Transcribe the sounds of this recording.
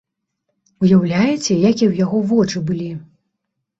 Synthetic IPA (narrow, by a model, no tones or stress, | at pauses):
ujawlʲajɛt͡sʲɛjakʲiwjaɣɔvɔt͡ʂɨbɨlʲi